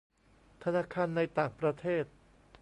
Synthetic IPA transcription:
t̪ʰa˧naː˧˥kʰaː˧nːa˧jt̪aː˨˩ŋpɾa˧t̪ʰeː˥˩t̪̚

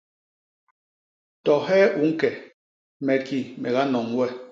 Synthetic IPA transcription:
tɔ˨hɛː˦ʔu˨˦ŋ̩˦kɛ˨ | mɛ˨ki˦mɛ˨ɣa˦nɔ˨ŋwɛ˦

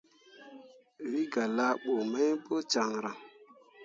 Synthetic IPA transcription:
wi˦ɡa˨la˦ɓo˨ma˦jbo˦t͡ʃa˨ŋɾa˨ŋ

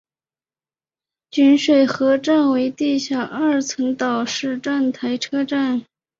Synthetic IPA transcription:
t͡ɕy˧˥nʂwe˨˩ɪxɤ˧˥ʈ͡ʂa˥˩nwe˧˥ɪt̪i˥˩ɕja˥˩ʔɐ˥˩t͡sʰɤ˧˥ŋt̪ɑ˨˩ʊʂɻ̩˥˧ʈ͡ʂa˥˩nt̪ʰa˧˥ɪʈ͡ʂʰɤ˥ʈ͡ʂa˥˩n

